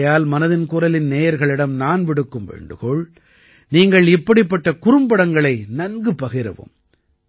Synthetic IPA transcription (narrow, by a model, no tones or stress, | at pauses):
jaːlmɐnɐðɪnkʊɾɐlɪnneːjɐɾɣɐɭɪɽɐmnaːnʋɪɽɯkːɯmʋḛːɳɖɯɣoːɭ | niːŋɡɐɭɪpːɐɽɪpːɐʈːɐkʊrɯmbɐɽɐŋɡɐɭɐɪnɐnɡɯpːɐɣɪɾɐ̰ʋo̰ːm